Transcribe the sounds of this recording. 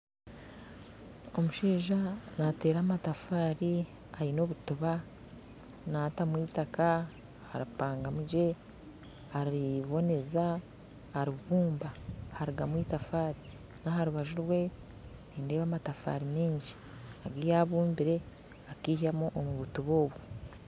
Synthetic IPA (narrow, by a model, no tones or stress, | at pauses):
o̞muʃiːʒanate̞ːɾaːmatafaːɾi | ajino̞βutuβa | naːtamwiːtaka | haɾipaːŋɡamuɟe̞ | haɾiβo̞ne̞za | aɾiβuːmbahaɾiɡamwiːtafaːɾi | naɦaɾuβaʒuɾwe̞ | niːnde̞ːβaːmatafa̰ɾimiːɲɟi̥ | aɡiːjaβuːmbiɾe̞ | akiːhamuʔomuβutuβo̞ːβwo